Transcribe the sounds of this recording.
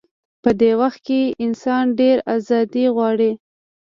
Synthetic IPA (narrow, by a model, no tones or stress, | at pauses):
pəd̪ewaxt̪̚keʔɪnsɑnɖeɾazɑd̪iɣwɑɽi